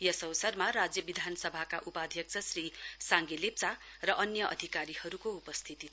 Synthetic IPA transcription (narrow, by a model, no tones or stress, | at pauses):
jʌsʌwsʌrmarad͡zjʌbid̪ʱanʌsʌbʱakaʔupad̪ʱjʌkt͡sʰʌsrisaŋɡelep̚t͡sarʌʔʌnjʌʔʌ̰d̪ʱikaɾihʌɾukoupʌst̪ʰit̪i